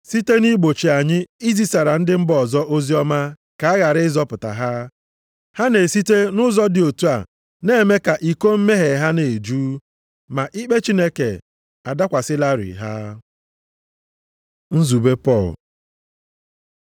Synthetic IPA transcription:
si˦te˦ni˦ɡ͡bo˨t͡ʃi˨a˨ɲɪ˦i˦zi˦sa˨ɾa˨n̩˦dɪ˦m̩˦bɔ˦˨zɔ˦ʔo˦zi˦ɔ˦ma˦ | ka˨a˦ɣa˨ɾɪ˦ɪ˦zɔ˦pʊ˨ta̰˨ɦa˦ | ha˦ne˨si˦te˦nʊ˦zɔ˦dɪ˨o˨tu˦a̰˨ | ne˦˨me˦ka˨ʔi˨ko˦m̩˦me˦ɦe˨ɦa˦ne˨d͡ʒuː˦ | ma˨ʔi˦k͡pe˦t͡ʃi˦ne˦ke˨ | a˨da˦kʷa˨sɪ˦la˦ɾḭ˨ɦa˦ | n̩˦zu˨be˦pɔ˦˨l

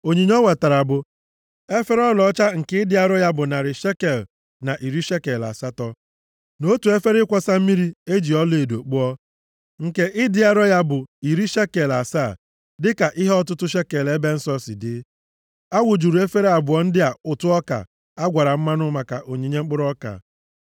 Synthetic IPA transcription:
o˨ɲi˨ɲ˦ɔ˦we˨ta˨ɾa˨bʊ˨ | e˦fe˦ɾɔ˦lɔ˨˦t͡ʃa˦ŋ̩˨ke˦ɪ˦dɪ˦a˦ɾɔ˦ja˦bʊ˨na˨ɾɪ˨ʃe˦ke˨l | na˨ʔi˨ɾi˦ʃe˦ke˨la̰˨sa˦tɔ˦ | no˦tu˨e˦fe˦ɾɪ˦kʷɔ˦sa˦m̩˦mi˦ɾi˦e˦d͡ʒi˨ɔ˦le˨do˨k͡pu˦ɔ˦ | ŋ̩˨ke˦ʔɪ˦dɪ˦a˦ɾɔ˦ja˦bʊ˨i˨ɾi˦ʃe˦ke˨la˨sa˦˨ | dɪ˦ka˨ʔɪ˦ɦɔ˦tʊ˦tʊ˦ʃe˦ke˨le˦be˦n̩˦sɔ˦sɪ̰˨dɪ˦ | a˦wʊ˨d͡ʒu˨ɾu˨˦e˦fe˦ɾe˦a˨bʊ˨ɔ˦n̩˦dɪ˦a˨ʊ˨tʊ˦ɔ˦ka̰˨ | a˦ɡʷa˨ɾa˨m̩˦ma˦nʊ˦ma˨ka˨ʔo˨ɲe˨ɲe˦ŋ͡m̩˦k͡pʊ˦ɾɔ˦ka̰˨

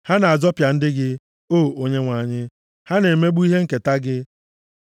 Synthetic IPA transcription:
ha˦na˨a˨zɔ˦pja˨n̩˦dɪ˦ɡɪ˦ | oː˦˨o˦ɲe˦ŋʷa˨ɲɪ˦ | ha˦ne˨me˦ɡ͡bu˦i˦ɦe˦ŋ̩˨ke˨ta˦ɡɪ˦

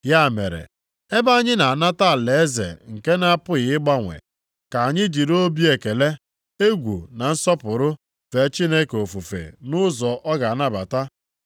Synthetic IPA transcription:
ja˦˨mḛ˨ɾḛ˨ | e˦ba˦ɲɪ˦na˨a˨na˦ta˦˨le˨e˦zḛ˨ŋ̩˨ke˦na˦a˦pʊ˦ɣɪ˨ɪ˦ɡ͡ba˦ŋʷḛ˨ | ka˨a˨ɲɪ˦d͡ʒi˨ɾo˦bi˦e˨ke˨le˦ | e˦ɡʷṵ˨na˨n̩˦sɔ˦pʊ˨ɾʊ˦ | fe˨˦t͡ʃi˦ne˦ko˨fu˨fḛ˨nʊ˦zɔ˨ʔɔ˦ɡa˨a˨na˦ba̰˨ta˦

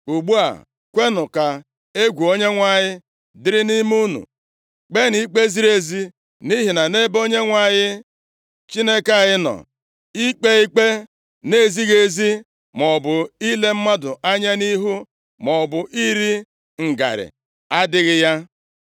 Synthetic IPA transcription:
u˨ɡ͡bu˦a̰˨ | kʷe˦nʊ˨ka˨ | e˦ɡʷu˨o˦ɲe˦ŋʷa˦˨ɲɪ˦ | dɪ˦ɾɪ˦ni˦m˦u˦nṵ˨ | k͡pe˦ni˦k͡pe˦zi˦ɾe˨zi˦ | ni˦ɦi˨na˨ne˦bo˦ɲe˦ŋʷa˨ɲɪ˦ | t͡ʃi˦ne˦ka˦˨ɣɪ˦nɔ̰˨ | i˦k͡pe˦i˦k͡pe˦ | ne˦˨zi˦ɣe˨zi˦ | mɔ˨bʊ˨i˦le˦m̩˦ma˦dʊ˨ʔa˦ɲa˦ni˦ɦu˦ | mɔ˨bʊ˨ʔi˦ɾi˦ | ŋ̩˨ɡa̰˨ɾɪ̰˨ | a˦dɪ˦ɣɪ˦ja˦

